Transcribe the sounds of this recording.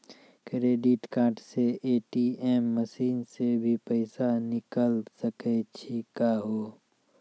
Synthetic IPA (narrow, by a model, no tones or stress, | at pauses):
kɾeːɖɪʈkãːɾʈseʔeːʈiɛːmːəʃiːnsebʱipəɪsanɪkəlsəket͡ʃʰikaɦoː